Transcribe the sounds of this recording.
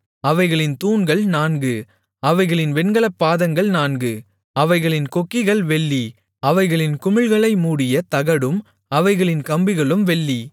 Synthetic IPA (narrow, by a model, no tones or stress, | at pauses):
ɐʋɐɪɣɐɭɪnt̪uːnɡɐɭnaːnɡɯ | ɐʋɐɪɣɐɭɪnʋɛnɡɐɭɐpːaːðɐŋɡɐɭnaːnɡɯ | ɐʋɐɪɣɐɭɪnkɔkːɪɣɐɭʋɛɭːi | ɐʋɐɪɣɐɭɪnkʊmɪɭɣɐɭɐɪmuːɽɪjɐt̪ɐɣɐɽɯm | ɐʋɐɪɣɐɭɪnkɐmbɪɣɐɭɯmʋɛɭːi